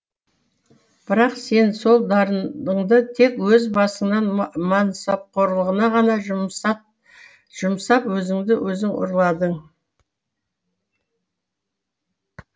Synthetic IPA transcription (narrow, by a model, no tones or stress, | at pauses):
b̥ɪɾɑqse̞nso̞lˠd̪ɑɾd̪əɴd̪ət̪ʰe̞kwɵzbɑsəɴnɑnmɑnsɑp̚qʰo̞ɾlˠəʁənɑʁɑnɑ | ʒ̥ʊmsɑpwɵzɪŋd̪ɪwʔɵzɪŋʊ̰ɾlˠɑd̪əɴ